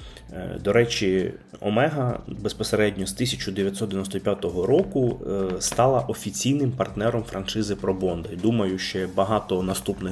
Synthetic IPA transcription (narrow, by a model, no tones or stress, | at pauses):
d̪ɔɾɛt͡ʃiɔ̰mɛɦɐbespɔseɾɛdʲnʲɔst̪isʲɐt͡ʃʊd̪eʋʲjɐt̪sɔd̪d̪ʋʲinɔst̪ɔpʲjat̪ɔɦɔɾɔkʊst̪ɑlˠɐʔɔfʲit͡sʲijnɪmpɐrt̪nɛɾɔmfɾʔɐnʃɪzɪpɾɔbɔnd̪ɐd̪umɐjʊʃt͡ʃɛbɐɦɑt̪ɔnɐst̪upnɪ